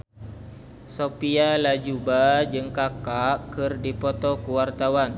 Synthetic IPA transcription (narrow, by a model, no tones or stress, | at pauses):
sopialad͡ʒubad͡ʒəŋkakaʔkɨrdipot̪ɔkəwart̪awan